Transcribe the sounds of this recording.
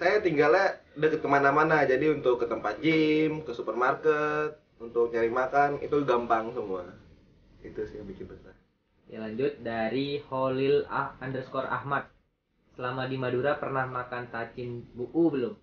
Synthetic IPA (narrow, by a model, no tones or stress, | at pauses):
sajat̪iŋɡaladəkət̪̚kəmanamanad͡ʒadiunt̪ʊkːət̪əmpat̪̚d͡ʒɪmkəsupərmarkət̪̚ | unt̪ʊk̚ɲaɾɪŋmakanḭt̪uɡampaŋsəmua | it̪usijabikɪnbət̪ah | ja̰laɲd͡ʒʊt̪̚daɾiholɪlaandərskɔra̰hmat̪̚ | səlamadimaduɾapərnahmakant̪at͡ʃɪnbuʔubəlʊm